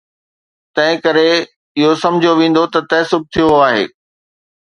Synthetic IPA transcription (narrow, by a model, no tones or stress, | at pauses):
t̪ɐ̃ɦɪ̃kɐɾe | ɪɦosɐ̃md͡ʑʱijoʋẽːn̆d̪ot̪ɐt̪ɐɦsʊb̚ʱt̪ʰijoaːɦḛː